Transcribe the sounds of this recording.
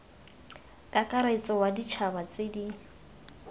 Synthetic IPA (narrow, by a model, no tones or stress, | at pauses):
kʼakʼaɾait͡sʼɔwadit͡ʃʰabat͡sʼedi